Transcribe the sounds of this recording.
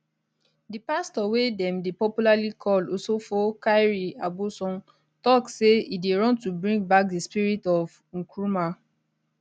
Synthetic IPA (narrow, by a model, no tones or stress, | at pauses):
dipastɔwedɛ̃mdepɔpjulalikʰɔlɔsofokaɪɹiabusɔ̃n | tɔkseideɹɔ̃ntubɹĩŋɡbak̚dispiɹitɔv | ŋ̩kɹuma